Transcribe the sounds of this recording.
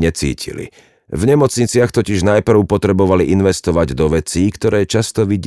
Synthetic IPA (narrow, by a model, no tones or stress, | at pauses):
ɛt͡sḭːcʰḭlḭ | vɲɛmɔt͡sɲit͡sɪaxt̪ɔciʒnajpr̩ʊpɔt̪ɾɛbɔʋaliʔinʋɛst̪ɔʋaɟd̪ɔʋɛt͡siːkt̪ɔɾɛːt͡ʃast̪ɔʋiɟ